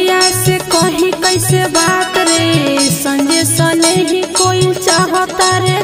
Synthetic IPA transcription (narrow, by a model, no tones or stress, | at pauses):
jasekʌɦĩkʌjsebat̪ɾesʌŋɡesʌleɦĩkoit͡ʃaɦɔt̪aɾe